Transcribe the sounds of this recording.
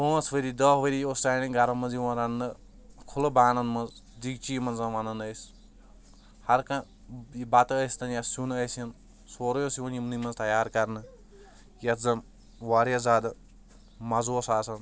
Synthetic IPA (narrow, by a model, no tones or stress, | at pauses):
oːɐsʋɐɾid̪ɐːʋɐɾiostaːjnʲiɡɐɾɐmɐnzjiʋɐ̃nɾɐnːɨ | kʰulɐbaːnɐnmɐnz | d̪iɡt͡ʃiːmɐnzɐʋɐnɐnɐjs | hɐɾkɐ | ibat̪ɨəsʲt̪ɐnjɐsunɐjsɐn | soːɾjosiʋɐnjimnimɐnzt̪ɐjaːɾkɐɾnɨ | jɐt̪ʰzɐm | ʋaɾjɐzaːd̪ɨ | mɐzoːsaːsɐn